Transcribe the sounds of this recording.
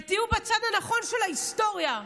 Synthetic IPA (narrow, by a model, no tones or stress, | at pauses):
t̪iubet͡sadhanaχo̞nʃelaisto̞ʁja